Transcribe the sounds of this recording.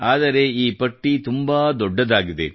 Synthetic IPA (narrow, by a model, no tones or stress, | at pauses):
ʔaːðɐɾeːiːpɐʈːit̪ʊmbaːd̪ɔɖːɐðaːɣɯðḛː